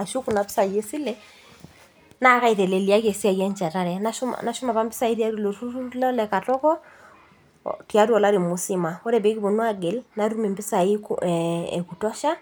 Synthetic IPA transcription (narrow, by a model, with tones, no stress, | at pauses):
a˨ʃu˦ku˨na˨pi̥˦sa˨je˦si˦lɛ˦ | na˦ka˦i˨ɾɛ˨lɛ˨li˨a˦ke˨si˦a˨ɣɛ˦ɲt͡ʃa˨ta˦ɾɛ˨na˦ʃna˨ʃu˦ma˨βa˦mbɪ˦sa˦i˦ɾi˦a˦ɾu˨lo˨tu˦u˦lɛ˦lɛ˨ka˨tɔ˦kɔ˦ | ti˨a˦ɾwɔ˨la˦ɾi˨mu˨si˦ma˨ɔ˦ɾɛ˨be˦ki˦βo˨nwa˦ɡe˨lna˦ɾu˦me˨mbi˦sa˨i˦kː | ku˨tɔ˦ʃa˦